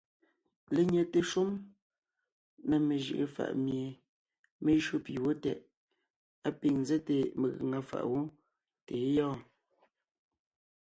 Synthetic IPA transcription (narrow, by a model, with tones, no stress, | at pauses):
le˨ɲɛ˨te˨ʃu˦m | na˨me˨ʒḭ˨ʔe˨fa̰˨ʔmje˨ | me˦ʒɰo˦˨pi˨wo˦tɛ̰˨ʔ | a˦pi˨ŋnzɛ˦te˨me˨ɣə̰˨ŋa˦fa̰˨ʔwo˦ | te˨˦jɔ̃ː˦˨